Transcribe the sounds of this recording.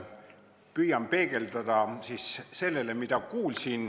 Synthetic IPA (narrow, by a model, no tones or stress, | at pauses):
pyjɑmpe̞ːɡ̥e̞ld̪̥ɑd̪̥ɑsisse̞lːe̞le̞mid̪ɑkuːlsin